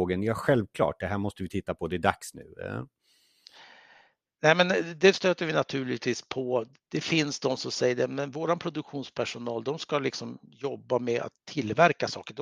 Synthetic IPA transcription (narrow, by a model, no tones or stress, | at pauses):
ɡənjɑɧɛlvkʰlɑ̰ːʈ̚d̪ɛɦæːɾmɔst̪əvɪt̪ʰɪt̪ːapʰɔd̪ɛd̪a̰ksnʉ̟̰ː | nɛmɛnd̪ɛst̪øːt̪əɾvɪnat̪ʰʉ̟ːɭɪt̪ʰviːspʰɔ | d̪̥ɛfɪnsd̪ɔmsɔmsɛjːəɖɛmɛnvoːɾanpʰɾʊd̪ɵkɧuːnspʰæʂʊnɑːld̪ɔmskalɪksɔmjɔbːamɛa̰t̪ʰːɪlːvæɾkasɑ̰ːkəɖ